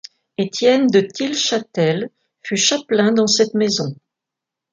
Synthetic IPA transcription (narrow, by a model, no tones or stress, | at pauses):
et̪jɛnd̪ət̪ilʃat̪ɛl | fyʃaplɛ̃d̪ɑ̃sɛt̪mezɔ̃